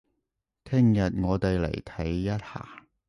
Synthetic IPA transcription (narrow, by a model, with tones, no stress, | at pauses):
t̪ʰɪ˥ŋjɐ˨t̚ŋɔː˨˧t̪e˨jlḛ˨˩jt̪ʰɐ˨˥jːɐ˥t̚ha̰ː˨˩